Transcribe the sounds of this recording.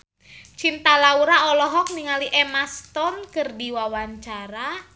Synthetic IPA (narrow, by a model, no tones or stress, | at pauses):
t͡ʃint̪alauɾaɔlɔɦɔk̚niŋaliʔɛmast̪ɔnkərdiwawant͡ʃaɾa